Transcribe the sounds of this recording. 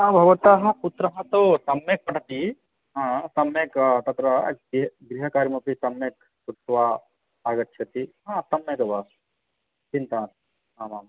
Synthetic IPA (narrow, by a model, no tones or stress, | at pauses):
ãbʱɐʋɐt̪aɦɐ̃put̪ɾɐɦɐ̃t̪osɐmek̚pɐʈt̪i | ɦãsɐmekt̪ɐt̪ɾɐɐ̰ɡɡɾiɦɐkaːɾmɐpisɐmjek | suʈːʋaː | aɡɐt̪ːʃʰɐt̪iɦãsɐmːekɐʋa | t͡ʃĩnt̪aːt̪ | aːmaːm